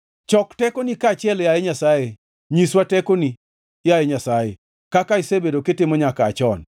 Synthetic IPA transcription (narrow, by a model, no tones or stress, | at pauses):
t͡ʃɔktɛkonikat͡ʃɪɛljajeɲasaje | ɲiswatɛkoni | jajeɲasajḛ | kakaisebedokɪtɪmɔɲakaːt͡ʃɔn